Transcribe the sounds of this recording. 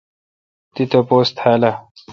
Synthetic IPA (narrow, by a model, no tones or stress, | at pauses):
t̪it̪ɐpoːst̪ʰhaːlɐ